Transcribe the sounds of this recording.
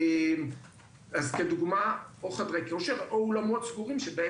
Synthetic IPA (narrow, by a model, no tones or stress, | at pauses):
em | azkeduɡmaoχadʁejkoʃeʁoolamotsɡuʁimʃebee